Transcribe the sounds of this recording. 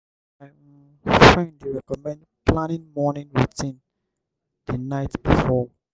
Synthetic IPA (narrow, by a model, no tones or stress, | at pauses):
a | fɹɛ̃nduɹɛkɔmɛ̃ndpʰlãnĩŋmɔnĩŋwiθĩn | d̥ənaɪtb̥ifɔ